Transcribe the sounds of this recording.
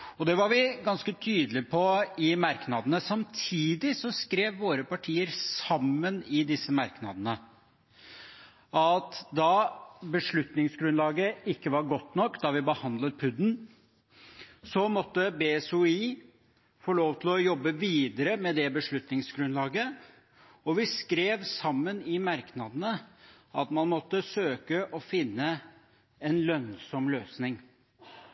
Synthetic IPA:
ɔd̪ɛʋɑɾʋɪɡɑnskət̪ʰyːd̪əlɪpʰɔɪmɑɾknɑd̪ənəsɑmt̪ʰiːd̪ɪsɔskɾeːʋːoːɾəpɑʈʰiːəɾsɑmːənɪd̪ɪsːəmɑɾknɑd̪ənə | ɑt̪d̪ɑbəʂɭʉt̪nɪŋsɡɾʉnlɑːɡəɪkːəʋɑɾɡɔt̪ːnɔkːd̪ɑʋɪbəhɑnd̪lət̪̚pʰʉd̪n̩ | sɔmɔt̪ːəbeːɛsʊiː | fɔɭoːʋt̪ʰɪlɔjɔbːəʋiːd̪əɾəmɛd̪ɛbəʂɭʉt̪nɪŋsɡɾʉnlɑːɡə | ɔʋɪskɾeːʋsɑmːənɪmɑɾknɑd̪ənə | ɑt̪mɑnmɔt̪ːəsøːkəʔɔfɪnːə | ɛnlœnsɔmløːsnɪŋ

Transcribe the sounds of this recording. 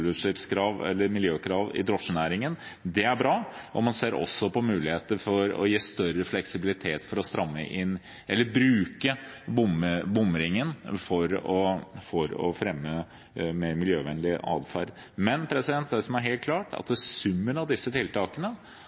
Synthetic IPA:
lʉʂɪpskʰɾɑːʋɛ̰lːəɾmɪljøːkʰɾɑːʋɪ̰d̪ɾɔʂənæːɾɪŋən | d̪ɛæɾbɾɑːʔɔmɑnseːɾɔ̰sːɔpʰɔmʉːlɪheːt̪əɾfɔɾɔ̰jiːst̪œɾəflɛksɪbɪlɪt̪ʰeːt̪fɔɾɔst̪ɾɑmːə̰ʔɪn | ʔɛlːəɾbɾʉːkəbʊməbʊmɾɪŋənfɔɾɔfɔɾɔ̰fɾɛmːə | meːɾmɪljøːʋɛnlɪʔɑ̰ːd̪fɑɾ | mɛnpʰɾɛsɪd̪ɛnt̪æsɔmæɾɦeːlt̪̚kʰlɑːʈʰɑ̰t̪̚d̪ɛsʉmːənɑʋd̪ɪsːət̪ʰɪlt̪ɑːkənə

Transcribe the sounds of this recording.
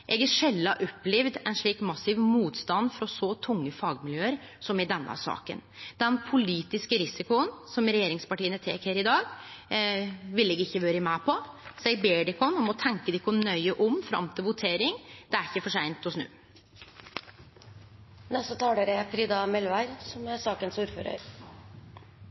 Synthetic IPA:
ʔɛɡæʂɛlːɑʔɔpːlɪʋd̪ɛnʂɭiːkmɑsɪʋmuːt̪st̪ɑnd̪fɾɔsɔt̪ʰʊŋːəfɑːɡmɪljøːəɾ | sɔmɪd̪ɛnːə̰sɑ̰ːkə̰nd̪̥ɛnpʰʊliːt̪ɪskəɾɪsɪkʊənsɔmɾɛjeːɾɪŋspɑʈiːənət̪ʰḛːkheːɾɪd̪ɑːɡ | ʋɪleːɡɪçːəʋøːɾəmæːpʰɔ | sæɪbeːɖɪkɔnɔmɔt̪ʰɛŋkəd̪ɪkʊnnœʏəʔʊmfɾɑ̰mt̪ʰɪlʋʊt̪ʰeːɾɪŋd̪ɛæɾɪçːəfɔʂæɪnt̪ɔsnʉ̰ː | nɛst̪ət̪ʰɑːd̪əɾəfɾiːd̪ɑmɛlʋæɾsɔmæsɑːkənsuːɾfø̰ːɾə̰ɾ

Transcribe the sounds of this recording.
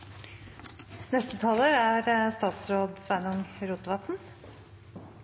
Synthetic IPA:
nɛst̪ət̪ʰɑləɾæːɾst̪ɑːt̪sɾoːd̪sʋænʊŋɾuːt̪ʋɑt̪n̩

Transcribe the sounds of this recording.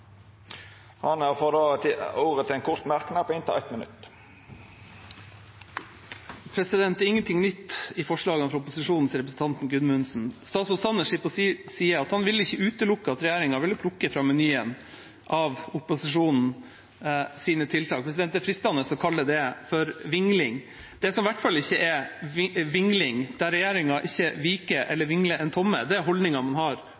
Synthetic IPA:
hɑnæʁfɔd̪ɑːət̪oːɾət̪ʰɪlɛnkʰʊɾt̪mæɾkənɑpʰːɪnt̪ʰɪlæ̰t̪mənʉ̰t̪ | pʰɾɛsɪd̪ɛnt̪æɾɪŋːənt̪ʰɪŋnʏt̪ːɪfɔʂɭɑːɡənfɾɑʊpʊsɪʂuːnn̩sɾɛpɾəsn̩t̪ʰɑnt̪n̩ɡʉnmʉnsn̩st̪ɑːt̪sɔlsɑnəʂɪpɔsiːəɾɑt̪hɑnʋɪlːəɪçːəʉːt̪əlʊkːəɑt̪ɾɛjæːɾɪŋɑʋɪləpʰlʊkːəfɾɑmɛnyːən | ʔɑʋʊpʊsɪʂuːnn̩ | siːnət̪ʰɪlt̪ʰɑːkpɾɛs̬ɪd̪ɛnt̪əfɾɪst̪ɑnəsɔkʰɑlːəd̪ɛfɔɾʋɪŋlɪŋ | d̪̥ɛsɔmʋæʈfɑlːɪçːəʔɛ | ʋɪŋlɪŋd̪̥æɾɛjeːɾɪŋɑʔɪçːəʋiːkəɾʔɛ̰lːəɾʋɪŋləɾʔɛnt̪ʰɔmːə̰d̪ɛæɦɔld̪nɪŋɑmɑnɦɑɾ

